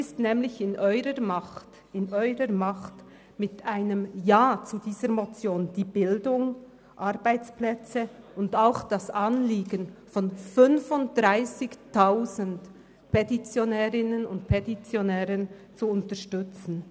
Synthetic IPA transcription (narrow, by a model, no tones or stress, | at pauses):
ɪstnɛːmlɪçɪnʔɔʏɾəmaxt | ɪnɔʏʁəmaχt | mɪtaɪnəmjaːt͡sudiːzəɾmot͡sjoːnd̥iːbɪldʊŋ | ʔaɾbaɪt͡splɛt͡səʊndaʊxd̥asʔanliːɡənfɔnfʏnvʊntd̥ʁaɪsɪçtaʊzənd | pʰɛtit͡sjonɛːʁɪnənʊnt̚pʰɛtit͡sjonɛːʁənt͡suʊntəɾʃtʏt͡sn̩